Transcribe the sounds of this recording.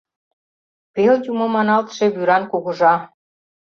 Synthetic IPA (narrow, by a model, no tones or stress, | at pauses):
peljumomɑnɑlt̪ʃĕβyɾɑnkoɣɤ̆ʒɑ